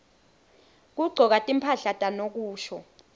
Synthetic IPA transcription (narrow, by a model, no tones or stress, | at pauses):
k̬uɡ͡ǀʱɔk̬atʼimpʰaɬatʼanok̬uːʃɔ